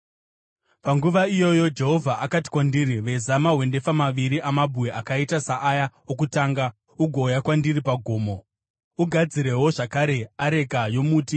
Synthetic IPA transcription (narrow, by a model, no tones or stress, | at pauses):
paŋɡuʋaijo̞jo̞d͡ʒe̞ɦo̞vʱaʔakati̥kwandiɾiʋe̞zamaɦwe̞nde̞famaʋiɾiʔamabʱuweʔakaitasaʔajaokutaːŋɡa | uɡʱo̞jakwandiripaɡʱo̞ːmo̞ | uɡʱad͡ziɾe̞ɦo̞ʐakaɾe̞aɾe̞kajo̞muːti